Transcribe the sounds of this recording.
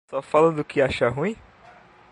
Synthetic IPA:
sɔfalɐ̃d̪ʊkʰɪaʃɐɦũĩ

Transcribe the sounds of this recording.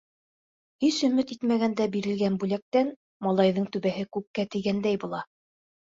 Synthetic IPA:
hiʃɵ̆mɘt̪it̪mæɣænd̪æbiɾɘ̆lɡænbʉlæk̚t̪æn | mɑlˠɑjðɤɴt̪ʉβæɦɘkʉk̚kːæt̪ɘ̆jɡænd̪æjbulˠɑ

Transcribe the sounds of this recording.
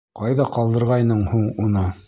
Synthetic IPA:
qɑjðɑqɑlˠd̪ɤ̆ɾʁɑjnɤɴhuɴunɤ

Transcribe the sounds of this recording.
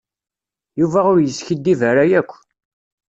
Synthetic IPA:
juvæʊɾjəsçid̪ːivəɾajækʷː

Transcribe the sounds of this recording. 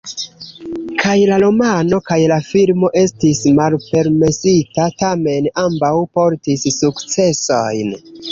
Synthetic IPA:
kʰajlalo̞mano̞kajlafilmo̞ʔe̞stismalpe̞ɾme̞sitatame̞nambawpo̞ɾtisːukt͡se̞so̞jn

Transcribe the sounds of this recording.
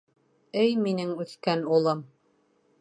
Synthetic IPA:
ɘjminɘŋʉθkænulˠɤm

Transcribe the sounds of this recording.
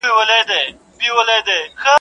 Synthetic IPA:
iwɐled̪e | biwɐled̪exə

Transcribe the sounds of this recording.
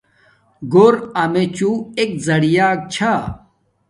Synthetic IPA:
ɡoɾɐmet͡ɕuek̚zɐɽijaːk̚t͡ɕʰa

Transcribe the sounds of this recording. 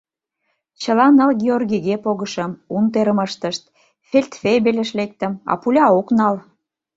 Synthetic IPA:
t͡ɕəlɑnɑlɡʲeorɡʲiɣepoɣəʃəmunt̪eɾəməʃt̪əʃt̪̚ | felʲt̪febelʲeʃlek̚t̪ə̆mɑ̰pulʲɑoknɑl

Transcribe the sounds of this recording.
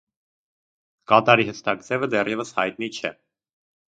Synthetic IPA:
kɑt̪ɑɾiɦəst̪ʰɑkt͡s̪ɛvəd̪ɛɾɛvəshɑjt̪̚nit͡ʃʰɛ̰

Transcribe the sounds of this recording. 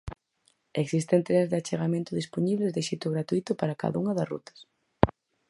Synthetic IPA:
eksist̪ent̪ɾezðɪat͡ʃeɣamẽnt̪ʊðisponiβlezðeʃit̪ʊɣɾat̪uit̪ʊpaɾɐka̰ðauŋɐðɐsrṵt̪ɐ̥s

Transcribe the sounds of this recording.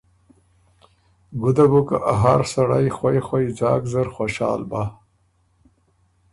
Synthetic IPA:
ɡʊd̪abuka̰ʔaɦaɾsaɽa̰jxwajxwajd͡zɑːkzaɾxoʃɑ̰ːlba

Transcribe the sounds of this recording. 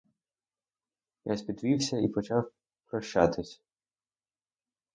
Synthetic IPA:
jasʲpʲid̪ʋʲiwsʲɐipɔt͡ʃɑw | pɾɔʃt͡ʃɑ̰t̪ɪsʲ

